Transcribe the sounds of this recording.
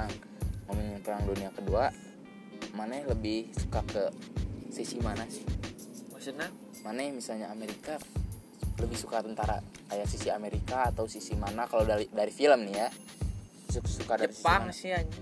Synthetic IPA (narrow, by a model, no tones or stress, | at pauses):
ŋ | momənjaŋpəɾaŋduniakədua | manajaləbɪhsu̥kakəsisimanasɪhmosəna | manajamisalɲaːmeɾika | ləbɪhsukat̪ənt̪aɾa̰ | kajaʔsisiameɾikaːt̪awsisimanakalawdaidaɾifiləmnija | susukadaɾisiiamasia